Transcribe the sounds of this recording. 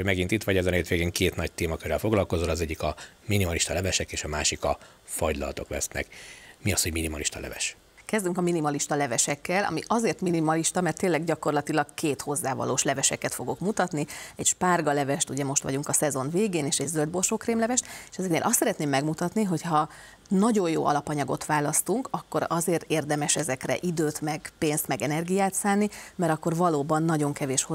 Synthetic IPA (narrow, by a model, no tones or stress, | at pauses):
mɛɡint̪it̪ʋɒɟɛzɛneːt̪ʋeːɡeːŋkeːt̪nɒc̚t̪eːmɒkøɾɛlfo̞ɡlɒlko̞zolɒzɛɟːikɒ | minimɒliʃt̪ɒlɛvɛʃɛkeːʃɒma̰ːʃikɒ | fɒɟlɒ̰lt̪o̞klɛ̰snɛ̰kmiɒshoɟminimɒliʃt̪ɒ̰lɛ̰vɛ̰ʃ | kɛzd̪yŋkɒminimɒliʃt̪ɒlɛvɛʃɛkːɛlɒ̰miʔɒzeːrt̪minimɒliʃt̪ɒmɛrt̪ːeːnlːɛɡɟɒko̞rlɒt̪ilɒɡkeːt̪ho̞zːaːvɒ̰loːʃlɛvɛʃɛkɛt̪fo̞ɡo̞kmut̪ɒt̪niɛɟʃparɡɒlɛvɛʃt̪uɟɛmo̞ʃt̪ʋɒ̰ɟuŋkɒsɛzo̞nveːɡeːneːʃɛɟzøld̪̚bo̞rʃoːkreːmlɛvɛʃt̪e̥ʃɛzɛknḛːlʔɒst̪sɛɾɛt̪neːmːɛɡmut̪ɒt̪niɦo̞chɒ | nɒɟo̞joːʔɒ̰lɒpɒɲɒɡo̞t̪ʋaːlɒst̪uŋkɒkːo̞̰ɾɒzeːrt̪eːrd̪ɛmɛʃɛzɛkrɛ̰ʔid̪øːt̪mɛɡ̥peːnst̪mɛɡɛnɛrɡijaːt̪saːnːimɛɾɒkːo̞rvɒloːbɒnːɒɟo̞ŋkɛveːʃh